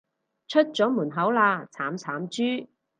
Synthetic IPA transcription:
t͡ʃʰɵ˥t̚t͡sɔː˨˥muː˨˩nɦɐ˨˥wlaː˧t͡sʰaː˨˥mt͡sʰaː˨˥mt͡ʃyː˥

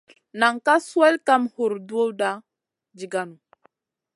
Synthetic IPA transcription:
na˨ŋka˦su˦e˦lka˦mhu˨ɾdu˦o˦wda˦ | d͡ʒi˨ɡa˦nu˨

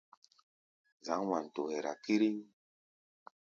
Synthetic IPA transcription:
za˨˦ŋ˦wa˨n˨to˨hɛ˨ɾa̰˨ki˦ɾi˦ŋ

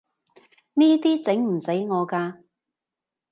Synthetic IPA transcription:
niː˥t̪iː˥t͡sɪ˨˥ŋm̩˨˩se˨˥jŋɔː˨˧kaː˧

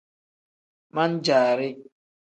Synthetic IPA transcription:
ma˦n̩˦d͡ʒaː˨ɾɪ˦

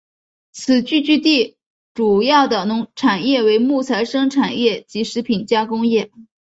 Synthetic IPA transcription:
t͡sʰɹ̩˨˩t͡ɕy˥˧t͡ɕy˥˧t̪i˥˩ | ʈ͡ʂu˨˩jɑ˥˩ʊd̪ə˩nʊ˧˥ŋʈ͡ʂʰa˨˩njɛ˥˩we˧˥ɪmu˥˩t͡sʰa˧˥ɪʂɤ˥ŋʈ͡ʂʰa˨˩njɛ˥˩t͡ɕi˧˥ʂɻ̩˧˥pʰi˨˩nt͡ɕja˥kʊ˥ŋjɛ˥˩

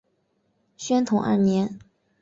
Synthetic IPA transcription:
ɕɥɛ˥nt̪ʰʊ˧˥ŋʔə̰˥˩njɛ˧˥n

